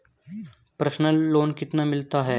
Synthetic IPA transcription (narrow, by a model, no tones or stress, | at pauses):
pɾəʃnəlːoːnkɪt̪namɪlt̪aɦɛː